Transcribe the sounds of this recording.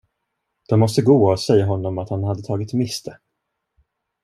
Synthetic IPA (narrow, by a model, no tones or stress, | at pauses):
d̪̥ɔmːɔst̪əɡoːɔsɛjːaɦɔnːɔmat̪hanhad̪ːət̪ʰɑːɡɪt̪mɪst̪ʰə